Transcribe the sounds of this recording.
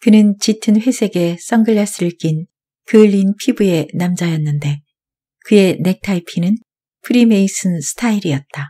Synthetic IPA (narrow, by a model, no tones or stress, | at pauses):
kɯnɯnt͡ɕitʰɯnɸwe̞sʰe̞ɡe̞s͈ʌŋɡɯɭːas͈ɯɭk͈in | kɯʎːinpʰibue̞namd͡ʑajʌnːɯnde̞ | kɯe̞ne̞k̚tʰaipʰinɯn | pʰɯɾime̞is͈ʰɯnsʰɯ̥tʰaiɾiʌt̚t͈a